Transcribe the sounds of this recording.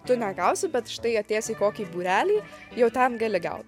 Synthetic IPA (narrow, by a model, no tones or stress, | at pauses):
t̪ʊnʲɛɡɐʊsʲɪbʲɛt̪ʃt̪ɐɪɐt̪ʲeːsʲikoːkʲiːbuːɾʲæːlʲiːjɛʊt̪ɛmɡɐlʲɪɡɐ̰ʊt̪